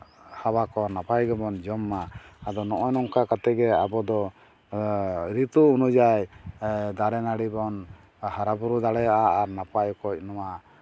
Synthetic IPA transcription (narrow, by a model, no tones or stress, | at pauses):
habakɔnapajɡɛbɔnd͡ʒɔmːaːd̪ɔnɔʔɔjnɔŋkakat̪ɛɡɛabɔd̪ɔ | ɾit̪uunud͡ʒaj | d̪aɽɛnaɽibɔn | haɾabuɾud̪aɽɛjaʔaaɾnapajkɔc̚nɔwa